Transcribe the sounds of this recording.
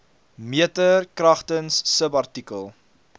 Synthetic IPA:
miətərkrɐχtənsːəpɐrtikəlˠ

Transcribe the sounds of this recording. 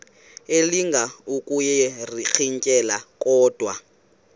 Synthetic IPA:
eliŋɡʱaukʼujɛrik͡xʰiŋ̩kʼɛlakʼɔːd̥ʱwa

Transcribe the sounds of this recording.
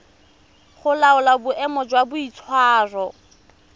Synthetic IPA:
χʊlaʊlabʊʔɛmɔd͡ʒwabʊit͡sʰwaːrɔ

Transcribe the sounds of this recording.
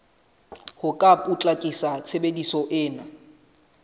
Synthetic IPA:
hʊkʼapʼut͡ɬʼakʼisat͡sʰebedisɔʔɪːna

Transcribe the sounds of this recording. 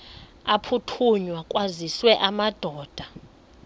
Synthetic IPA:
apʰutʰuɲwakʼwaziswɛʔamad̥ʱɔːd̥ʱa

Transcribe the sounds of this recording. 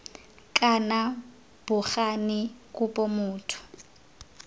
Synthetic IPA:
kʼana | b̥ʊχanɪkʼupʼɔmʊːtʰʊ̥

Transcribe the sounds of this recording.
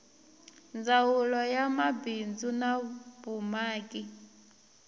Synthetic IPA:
nd͡zawulɔjamabind͡zunabumaːkʼi

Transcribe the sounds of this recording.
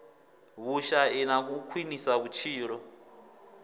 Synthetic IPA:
βuʃaɛnak̬ukʰwinisaβut͡ʃʰiːɺɔ

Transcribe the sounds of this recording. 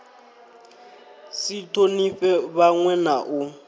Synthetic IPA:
sitʰʼoniɸɛβaŋwɛnaʔʊ

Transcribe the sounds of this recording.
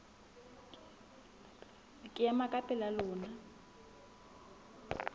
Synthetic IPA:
kʼɪjamakʼapʼɛlalɔːna

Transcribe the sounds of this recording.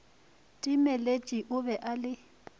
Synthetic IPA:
tʼimɛlet͡ʃʼiʔʊbɛʔalɪ

